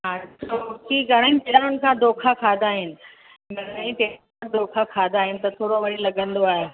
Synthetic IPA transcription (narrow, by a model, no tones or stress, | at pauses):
ɦãt͡ʃokiɡʱɐɽ̤aːinɪpeɽaɾʊnɪ̆kʰãd̪oːkʰakʰaːd̪aːɦɪnɪ̆ | ɡʱɐɽaĩpeːɽkãd̪oːkʰakʰaːd̪aːɦɪnɪ̆t̪ɐt̪ʰoːɽoʋɐɽilɐɠə̃nd̪oaːɦe